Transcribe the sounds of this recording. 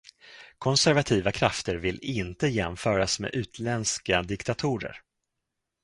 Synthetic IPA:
kʰɔnsæɾvat̪ʰiːvakʰɾaft̪əɾvɪlɪnt̪əjɛmfœːɾasmḛːʔʉ̟ːt̪ʰlɛnskad̪ɪkt̪at̪ʰuːɾə̰ɾ

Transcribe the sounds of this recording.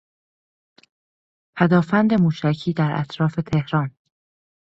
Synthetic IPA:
pʰæd̪ɒːfænd̪e̞muːʃæcʰiːd̪æɾʔæ̰t̪ʰɾɒːfe̞t̪ʰe̞hɾɒːn

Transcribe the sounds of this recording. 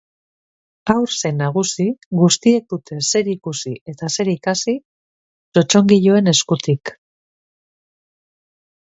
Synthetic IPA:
awɾsenːaɣ̞usiɣust̪ie̞k̚d̪ut̪ʰe̞se̞ɾikusie̞t̪ase̞ɾikasi | t͡ʃo̞t͡ʃo̞ŋɡiʎo̞e̞ne̞skut̪ik

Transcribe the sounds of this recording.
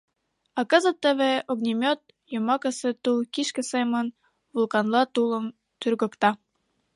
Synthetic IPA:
ɑkɤ̆zə̆t̪ːə̆βeoɣnʲimʲot̪̚ | jomɑkə̆set̪ulkiʃkə̆semə̆n | vulˠkɑnlˠɑt̪ulə̆m | t̪yrɣŏkt̪ɑ

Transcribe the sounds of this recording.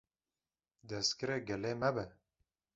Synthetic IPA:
d̪ɛskɨɾeːɡɛleːmɛbɛ

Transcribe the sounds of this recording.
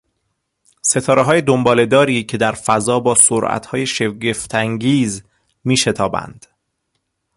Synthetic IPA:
se̞t̪ʰɒːɾeɦɒːje̞d̪ombɒːle̞d̪ɒːɾiːcʰe̞d̪æɾfæzɒːbɒːsoɾʔæ̰t̪hɒːje̞ʃe̞ɟe̞ft̪ʰæŋɟiːz | miːʃe̞t̪ʰɒːbæ̰nd̪̥

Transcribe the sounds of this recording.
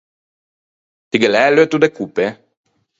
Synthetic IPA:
t̪iɡelɛloet̪ud̪ekupe

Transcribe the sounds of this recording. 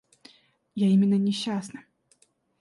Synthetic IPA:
jaimʲɪnːənʲɪɕːasnə

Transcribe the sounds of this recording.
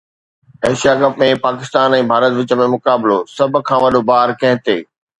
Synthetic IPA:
ɐːʃijakɐpmẽpaːkɪst̪aːnɛ̃ːbʱaːɾət̪ʋɪt͡ɕəmẽmʊkaːblosɐbʱkʰãːʋɐɗʱobaːɾkɐ̃ɦɪ̃t̪eː

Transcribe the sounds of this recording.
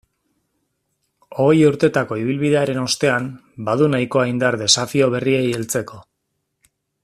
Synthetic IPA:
o̞juɾt̪e̞t̪ako̞iβ̞ilβiðe̞aɾe̞no̞st̪e̞am | baðunajko̞ajnd̪aɾðe̞safio̞β̞e̞rie̞jelt͡se̞ko̞

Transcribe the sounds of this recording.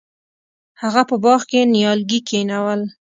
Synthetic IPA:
haɣapəbɑxkenjɑlɡikʰenawəl

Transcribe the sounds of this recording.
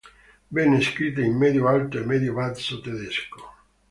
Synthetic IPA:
bɛnːeskɾit̪̬ːeimːɛd̪joalt̪oemɛd̪jovat̪sot̪ed̪esko̥

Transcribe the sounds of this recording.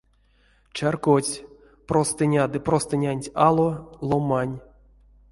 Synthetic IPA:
t͡ʃarkot͡sʲ | prost̪ɨnʲad̪ɨprost̪ɨnʲanʲtʲalˠolˠomanʲ

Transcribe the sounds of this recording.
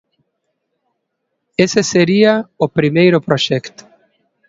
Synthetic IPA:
eseseɾiaopɾimejɾʊpɾoʃɛkt̪

